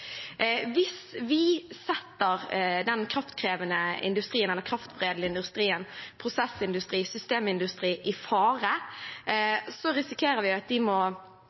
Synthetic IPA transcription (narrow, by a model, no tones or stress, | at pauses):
ʋɪsʋɪsɛt̪ːəʁd̪ɛnkʰɾɑft̪kʰʁeːʋənəɪ̰nd̪ʉst̪ɾiːənɛlːəɾkʰɾɑft̪bʁeːd̪l̩ɪnd̪ʉst̪ɾiːənpʰɾʊsɛsɪnd̪ʉst̪ɾiːsʏst̪eːmɪnd̪ʉst̪ɾiːʔɪfɑːʁə | sɔɾɪsɪkʰeːɾəʋɪɑt̪̚d̪ɪmɔ